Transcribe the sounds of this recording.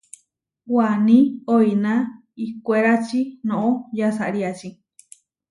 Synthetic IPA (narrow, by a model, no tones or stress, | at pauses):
wanĩoinã | ikʷeɾat͡ʃinõʔõjasaɾiat͡ʃi